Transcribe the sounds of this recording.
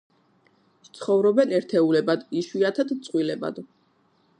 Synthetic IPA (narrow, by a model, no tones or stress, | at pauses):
ʃt̪sʰχɔvɾɔbɛnɛɾt̪ʰɛulɛbad̪iʃwiat̪ʰad̪t̪sʼqʼwilɛba̰d̪